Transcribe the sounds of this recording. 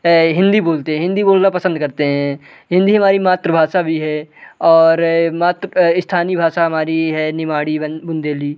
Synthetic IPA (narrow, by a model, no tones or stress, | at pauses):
ɦɪ̃nd̪iboːlt̪eɦɛ̃ɦɪ̃nd̪iboːlnapɐsə̃nd̪̚kɐɾt̪eɦɛ̃ | ɦɪ̃nd̪iɦɐmaːɾimaːt̪ɾəbʱaːʃabʱiɦɛːɔːɾmaːt̪ɾəɪst̪ʰaːnibʱaːʃaɦɐmaːɾiɦɛnɪmaːɽibʊnd̪eːliː